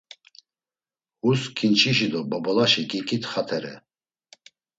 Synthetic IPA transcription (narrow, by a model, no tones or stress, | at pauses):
huskʰint͡ʃʰiʃid̪ɔbɔbɔlaʃikʼikʼit̪ʰχat̪ʰɛɾɛ̰